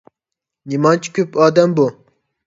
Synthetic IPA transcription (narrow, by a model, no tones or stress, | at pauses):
nimɑnt͡ʃʰi̥kʲʰøpɑːd̪ɛmbu